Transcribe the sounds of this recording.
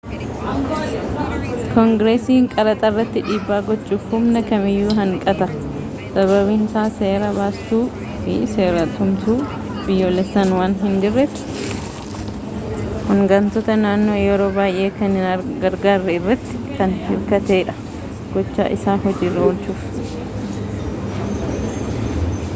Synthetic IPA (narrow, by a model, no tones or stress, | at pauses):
kɔŋɡɾeːsiːŋkʼɐɾɐt̪ʼɐrːɐt̪ːɪᶑiːbːaːɡɔt͡ʃʼːuːfhʊmnɐkɐmɪjːuːɦɐŋkʼɐt̪ɐ | sɐβɐβɪnsaːse̞ːɾɐbaːst̪uː | fɪse̞ːɾɐt̪ʊmt̪uː | bɪjːoːlɛsːɐnwaːnɦɪnd͡ʒɪrːɛt̪ɪ̥ | hɔŋɡɐnt̪ɔt̪ɐnaːnːo̞ːjɛɾoːbaːjʔe̞ːkɐnhɪnɡɐɾɡaːrːɛɪrːɐt̪ːɪ̥kɐnhɪɾkɐt̪e̞ːᶑɐ̥ | ɡ̥ɔt͡ʃːa̰ːʔɪsaːɦɔd͡ʒiːrːɛɔlt͡ʃːuːf